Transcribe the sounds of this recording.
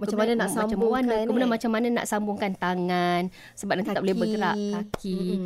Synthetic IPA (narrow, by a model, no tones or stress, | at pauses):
maaananasamt͡ʃamannakəmbunanmat͡ʃamːanəna̰ʔsambʊŋkant̪aŋan | səbap̚nanit̪aʔbolebəɡəɾaʔakʰi